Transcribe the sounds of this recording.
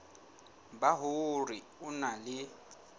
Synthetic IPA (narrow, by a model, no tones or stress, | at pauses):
baɦʊri | ʊnalɪ